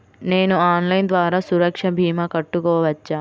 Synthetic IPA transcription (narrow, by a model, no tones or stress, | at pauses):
neːnuaːnlɐjnd̪ʋaːɾaːsuɾɐkʂɐbʱiːmɐkɐʈːukɔːʋɐt͡ʃːaː